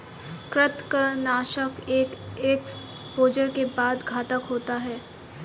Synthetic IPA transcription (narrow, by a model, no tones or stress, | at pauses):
kɾɪt̪kanaːʃəkeːkeːks | poːd͡ʒəɾkebaːd̪ɡʱaːt̪əkɦoːt̪aɦɛː